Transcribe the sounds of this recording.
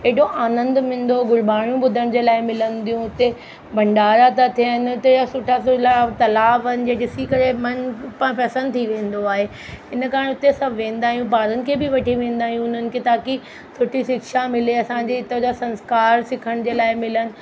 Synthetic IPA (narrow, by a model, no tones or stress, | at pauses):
eɦɗoʔaːnə̃nd̪mɪ̃ːn̆d̪oɡʊɽbaːɽ̃jũbʊd̪ʱəɽ̃d͡ʑeːlaːɪmɪlə̃nd̪ijũʊt̪e | bʱɐ̃ɳɖaːɾat̪at̪ʰijənʊt̪easʊʈʰasʊlat̪ɐlaːbɐnɪ̆d͡ʑeːd͡ʑɪsikɐɾemɐnpãpɐsə̃nd̪̚t̪ʰiʋẽːn̆d̪oaːɦeː | ɪn̆kaːɾəñʊt̪esɐbʱʋẽːnd̪aːɦijũpaːɾənɪ̆kʰeːbɪʋɐʈʰiʋẽːn̆d̪aːɦijũʊn̤ənɪ̆kʰeːt̪aːki | sʊʈʰisɪkʃamɪleɐsãːd͡ʑeɪt̪od͡ʑasɐ̃nskaːɾsɪkʰəɽ̃d͡ʑeːlaːɪmɪlənɪ̆